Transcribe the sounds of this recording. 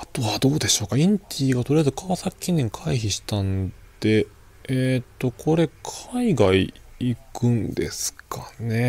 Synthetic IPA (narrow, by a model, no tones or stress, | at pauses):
at̪o̞βad̪o̞ːd̪e̞ɕo̞ːkaĩɲt̪ʲʰiːɡat̪o̞ɾijaezɨkʰaβasakʲːĩnːẽ̞ŋkʰaiçiɕi̥t̪ãnd̪̥e̞ | et̪ːo̞kʰo̞ɾe̞kʰaiɡai | ikɯ̟̃nd̪e̞̰sɨ̥kʰane̞